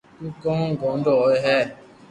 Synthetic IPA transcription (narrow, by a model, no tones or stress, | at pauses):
ukɔ̃ɡɔ̃n̩dɔeɦɛ